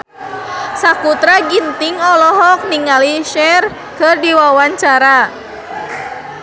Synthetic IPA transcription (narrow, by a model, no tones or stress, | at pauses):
sakut̪ɾaɡint̪iŋɔlɔɦɔk̚niŋaliʃɛr | kɨrdiwawaɲt͡ʃaɾa